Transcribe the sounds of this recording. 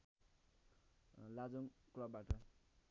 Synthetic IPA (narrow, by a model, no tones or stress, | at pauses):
lad͡zoŋklʌbːaʈʌ